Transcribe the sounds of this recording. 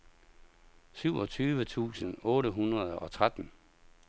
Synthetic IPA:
syʊɒ̽t͡sʰyːʋət͡sʰṵːsənɔ̽ːɾəɦunʁɐð̞ˠɒ̽t͡sʰʁad̥n̩

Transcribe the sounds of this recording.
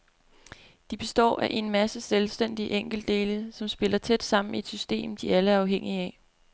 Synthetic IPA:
d̥ib̥e̝sd̥ɒ̰ːæʔe̝nmæsəselsd̥en̰d̥iəʔeŋ̰ɡ̥l̩d̥e̝ːləsɒ̽msb̥e̝lɐt͡sʰed̥sɑ̈m̰n̩ee̝d̥sysd̥e̝̰ːmd̥iæləæɐɑ̈ʊɦeŋ̰iæ

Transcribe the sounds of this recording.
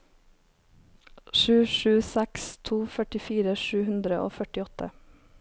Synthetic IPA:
ʃʉːʃʉːsɛkst̪ʰuːfœʈɪfiːɾəʃʉːhʉnd̪ɾəʔo̰ːfœʈɪɔt̪ʰə̰

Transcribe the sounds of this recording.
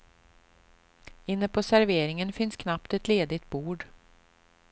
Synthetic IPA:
ɪnːəpʰɔsæɾveːɾɪŋənfɪnskʰnapt̪ɛt̪leːd̪ɪt̪̚buːɖ

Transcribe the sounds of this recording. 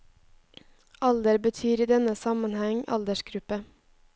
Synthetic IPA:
ɑld̪əɾbət̪ʰyːɾiːd̪ɛnəsɑmɑnhæŋɑ̰ld̪əʃɡ̥ɾʉpə

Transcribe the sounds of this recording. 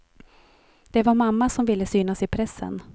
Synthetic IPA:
d̪̥ɛvaɾmamːasɔmvɪlːəsyːnasɪpʰɾɛsːə̰n

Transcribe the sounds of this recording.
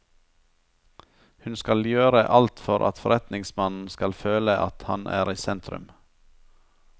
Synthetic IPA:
hʉnskɑljøːɾəʔɑlt̪fɔɾʔɑ̰t̪fɔɾɛt̪nɪŋsmɑnn̩skɑlføːləʔɑt̪hɑnʔæ̰ːɾiːsɛnt̪ʰɾʉ̰m

